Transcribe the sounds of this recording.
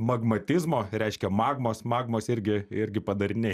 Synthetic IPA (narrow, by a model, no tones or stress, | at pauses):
mɐɡmɐt̪ʲɪzmoːɾʲɛɪʃʲkʲɛmɑːɡmoːsmɑːɡmoːsɪɾʲɡʲɪɪɾʲɡʲɪpɐd̪ɐɾʲɪnʲeː